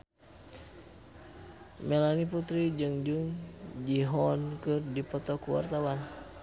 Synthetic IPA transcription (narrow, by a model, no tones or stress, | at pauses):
mɛlaniput̪ɾid͡ʒɨŋd͡ʒuŋd͡ʒiɦɔnkɨrdipɔt̪ɔkuwa̰rt̪awan